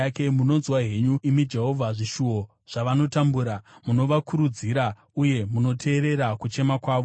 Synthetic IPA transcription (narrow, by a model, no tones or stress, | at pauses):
ake̞muno̞nzwaɦe̞ɲuimid͡ʒe̞ɦo̞vʱaʐiʃuo | ʐ̥aʋano̞tambuɾamuno̞ʋakʰuɾud͡ziɾa | uje̞muno̞tʰe̞ːɾe̞ɾakut͡ʃe̞makwaːʋo